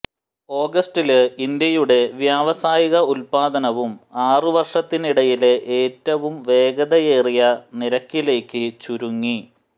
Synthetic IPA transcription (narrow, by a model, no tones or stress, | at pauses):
o̞ːɡɐsʈilind̪jɐjuɽe̞ʋjaːʋɐsaːjiɣɐulpaːd̪ɐnɐʋumaːrɨʋɐrʂɐt̪ːiniɽɐjileʔeːtːɐʋumʋe̞ːɡɐðɐje̞ːrijɐniɾɐkːile̞ːkːɨt͡ɕuɾuŋːi